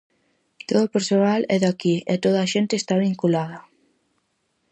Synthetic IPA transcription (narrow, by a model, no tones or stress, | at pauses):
t̪oðopeɾsonalɛðakiɛt̪oðaːʃent̪eːst̪aβiŋkulað̞ɐ